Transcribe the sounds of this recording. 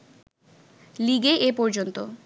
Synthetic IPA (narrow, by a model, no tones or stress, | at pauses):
liɡeʔepɔɾd͡ʑont̪o